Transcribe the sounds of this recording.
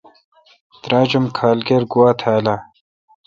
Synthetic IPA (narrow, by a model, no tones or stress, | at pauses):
t̪ɾaːd͡ʑumkʰaːlɡeɾɡuwaːt̪ʰaːla